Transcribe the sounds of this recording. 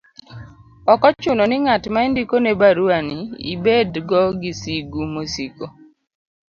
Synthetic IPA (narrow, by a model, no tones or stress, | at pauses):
ɔkɔt͡ʃʊnɔnɪŋatmaendikonebaɾuaniḭbedɡɔɡisiɡumosiko